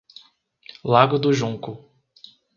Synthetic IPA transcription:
laɡʊd̪ʊʒũŋkʊ

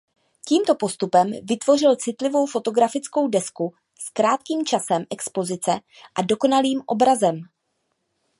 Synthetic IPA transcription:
ciːmt̪o̞po̞st̪upɛmvɪt̪vo̞rɪlt͡sɪt̪lɪvo̞wfo̞t̪o̞ɡɾafɪt͡sko̞wdɛsku | skɾaːt̪kiːmt͡ʃasɛmʔɛkspo̞zɪt͡sɛ | ʔado̞ko̞naliːmʔo̞̰bɾazɛm

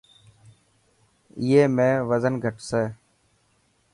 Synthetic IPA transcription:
ɪjeːmẽːʋəzənɡʱəʈseː

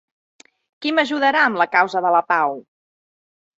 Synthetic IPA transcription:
kiməʒuðəɾaəmləkawzəðələpaw

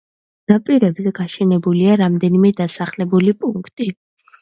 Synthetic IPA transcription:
ɾapʼiɾɛbzɛɡaʃɛnɛbuliaɾamd̪ɛnimɛd̪asaχlɛbulipʼuŋkʰt̪ʼi

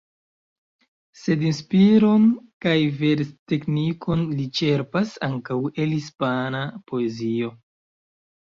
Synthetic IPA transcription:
se̞dinspiɾo̞nkajve̞ɾte̞knikʰo̞nlit͡ʃe̞ɾpasa̰ŋkawe̞lhispanapo̞ezio̞

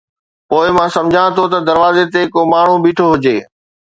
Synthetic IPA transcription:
poːɪmãːsɐ̃md͡ʑʱãt̪ʰot̪ɐd̪ɐɾʋaːzet̪ekomaːɳ̤ũbiːʈʰoɦʊd͡ʑeː

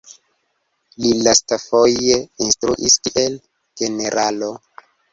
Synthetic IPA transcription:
lilastafojeinstɾuʔiskiel | ɡ̥eneɾʔalo̞

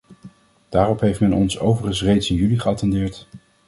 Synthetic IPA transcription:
d̥aːrɔpɦejftmɛnɔnsowvəχənsrejtsɪnjyliχəɑtɛndɪːɹt

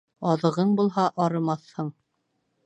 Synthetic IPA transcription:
ɑðɤ̆ʁɤɴbulˠɦɑʔɑɾɤ̆mɑθhɤɴ

